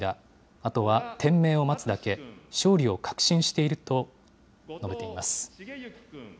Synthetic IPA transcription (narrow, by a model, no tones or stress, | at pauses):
d̪a | at̪o̞βat̪ʰẽ̞mːe̞ːo̞mat͡sɨd̪ake̞ɕo̞ːɾʲio̞kʰḁkɯ̟̥ɕĩɰ̃ɕi̥t̪e̞iɾɯ̟t̪o̞ | no̞be̞t̪e̞imasɨ̥